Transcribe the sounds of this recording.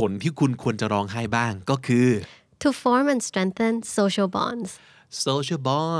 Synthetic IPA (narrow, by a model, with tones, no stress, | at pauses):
o˩˦nt̪ʰiː˥˩kʰu˧nkʰu˧ənt͡ɕa˨˩ɾɔː˧ŋɦa˥˩jbaː˥˩ŋkɔː˥˩kʰɯː˧ | tʰufɔːɹmɛ̃nstɾɛ̃ŋθə̃nsoːʃəlbɔ̰̃ːns | soː˧ʃɐ˥˩bɔː˥